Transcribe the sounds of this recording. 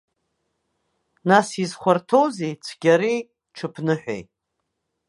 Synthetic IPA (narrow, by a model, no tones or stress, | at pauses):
nasizχʷartʰowzejt͡sʷʰɡʲaɾej | ʈ͡ʂʰɨpʰnɨħʷᶣḛjtʼ